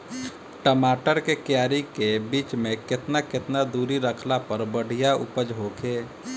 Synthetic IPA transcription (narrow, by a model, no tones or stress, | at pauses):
ʈəmaːʈəɾkekjaːɾikebiːt͡ʃmẽkɪt̪nakɪt̪nad̪uːɾiɾəkʰlapəɾbəɽ̤ijaʊ̰pəd͡ʒɦokʰeː